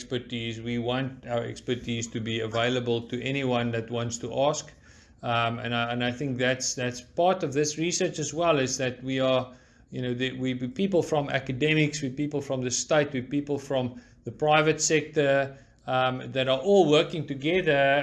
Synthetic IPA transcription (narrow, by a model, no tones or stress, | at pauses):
spə˞tiːzwiwɔ̃ntaʊə˞ɛ̰kspə˞tʰiːz̥tʰɨbiəveɪləbəlˠtʰɨɛñiwʌ̃nðɨt̚wɔ̃ntstʰəʔɑsk | ə̰̃nə̃naɪθɪ̃ŋk̚ðætsðætspɑɹtʌvðɪsɹisɜ˞t͡ʃɨzwɛlˠɪzðɨt̚wiə | jɨnoʊðəwiwipiːpəl̩ˠfɹɔ̃mæ̰kɨdɛmɪkswipiːpəl̩ˠfɹʌ̃mðəsteɪtwipiːpəl̩ˠfɹɔ̃m | ðəpɹ̥aɪvətsɛk̚tə˞ | mðɨɾə˞ʔɔlˠwɜ˞kɪ̃ŋtɨɡɛðə˞